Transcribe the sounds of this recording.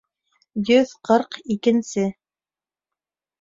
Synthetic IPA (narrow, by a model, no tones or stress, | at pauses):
jɵðqɤɾqikɘ̆nsɘ